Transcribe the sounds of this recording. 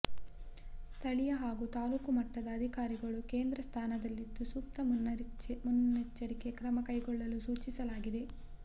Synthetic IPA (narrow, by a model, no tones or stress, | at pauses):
st̪ʰɐɭijɐɦaːɡut̪aːluːkumɐʈːɐd̪ɐːd̪ʱikaːɾiɡɐɭukeːnd̪ɾɐst̪ʰaːnɐd̪ɐlːid̪ːusuːk̚t̪ɐmunːɐmunet͡ʃːɐɾike̞kɾɐmɐkɐjɡɔɭːɐlusuːt͡ʃisɐlaːɡid̪e̞